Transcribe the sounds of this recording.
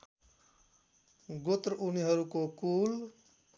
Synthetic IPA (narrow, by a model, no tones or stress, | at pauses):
ɡot̪ɾʔuniɦʌɾukokul